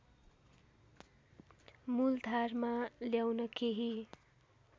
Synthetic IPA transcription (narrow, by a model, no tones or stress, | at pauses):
muld̪ʱaɾmaljawnʌkeɦi